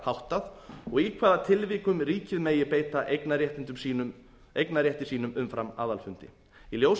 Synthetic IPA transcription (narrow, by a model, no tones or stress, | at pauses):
hawht̪aðɔɣikʰvaːðat̪ʰɪlviːkʏmɾiːcɪðmejɪpeːjt̪aʔeknaɾjɛht̪ɪnt̪ʏmsi | ejknaɾjɛht̪ɪ̥siːnʏmʏmfɾama̰ːðalfʏn̥t̪ɪ̰ | iljows